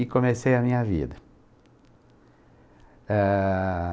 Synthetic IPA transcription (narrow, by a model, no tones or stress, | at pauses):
ɪkõmesejɐmĩɲɐvḭd̪ɐ | ɛ